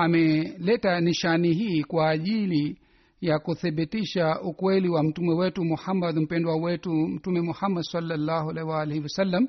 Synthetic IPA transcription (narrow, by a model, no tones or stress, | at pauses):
amɛlɛtaniʃaniɦiːkwaːʄili | jakuθɛɓitiʃaukwɛliwam̩tumɛwɛtumuhamːad̪m̩pɛndwawɛtum̩tumɛmuhamːadsalːalːaːhualaiwalɛhiwasalːam